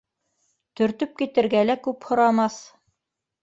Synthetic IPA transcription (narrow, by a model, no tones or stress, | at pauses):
t̪ɵ̆ɾt̪ɵp̚kit̪ɘ̆ɾɡælækʉphŏɾɑmɑθ